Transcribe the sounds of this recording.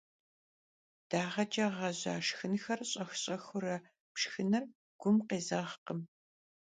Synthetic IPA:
d̥aːʁɐd͡ʒʼɐʁɐʑa̰ːʂxɨnxɐrɕʼɐxɕʼɐxʊɾɐ | pʂxɨnɨr | ɡ̥ʷʊmqeːzaʁqəm

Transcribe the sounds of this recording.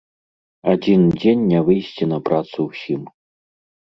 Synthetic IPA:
adʲind͡ʑʲenʲːɛvɨjɕʲtʲinɐpɾat̪suwsʲim

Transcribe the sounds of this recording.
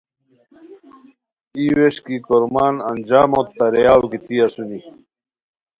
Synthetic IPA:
iweɕkikoɾmaːnɐnd͡ʑaːmot̪ːɐɾejaːwkit̪iɐsuni

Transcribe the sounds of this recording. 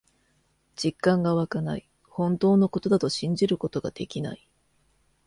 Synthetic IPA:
d͡ʑikːãŋɡaβakana̰i | hõ̞nt̪o̞ːno̞ko̞t̪o̞d̪at̪o̞ɕĩɲ̟d͡ʑiɾɯ̟ko̞t̪o̞ɡa̰d̪̥e̞kʲina̰i

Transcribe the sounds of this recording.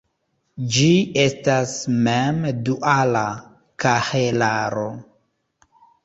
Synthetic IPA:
d͡ʒie̞stasmemduʔala | kahelaɾo

